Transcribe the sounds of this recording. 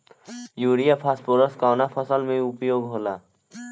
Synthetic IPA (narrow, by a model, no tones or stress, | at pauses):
juːɾijapʰaspoɾəskawnapʰəsəlmẽʊpjoːɡɦoːla